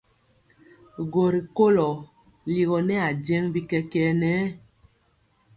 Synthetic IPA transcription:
ɡo˨ɾi˨ko˦lɔ˨ | li˨ɣɔ˨nɛ˦a˨d͡ʒɛ˦ŋbi˦kɛ˦kɛ˦nɛː˨˦

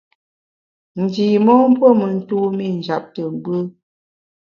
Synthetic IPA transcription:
n̩˨di˨mɔ˦m̩˦po˦mə˨n̩˦tu˦mi˦˨n̩˨d͡ʒa˨p̚tə˨m˨bə˦

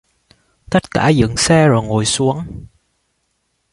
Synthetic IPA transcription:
t̪ə˦˥t̚kaː˧˩zɨ̰˧˨ŋsɛ˧zo˨˩jŋo˧˩˨jsu˨˦əŋ

